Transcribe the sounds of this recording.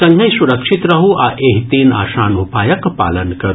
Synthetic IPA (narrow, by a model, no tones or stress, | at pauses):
ɐŋɡɐjsuɾɐkʂit̪ɾɐɦuʔaʔeɦt̪iːna̰ːʃaːnupaːjɐkpa̰ːlənkɐɾ